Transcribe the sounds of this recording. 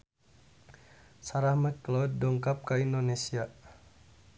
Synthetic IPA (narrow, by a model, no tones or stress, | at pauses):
saɾahməkklɔddɔŋkap̚kaindonesia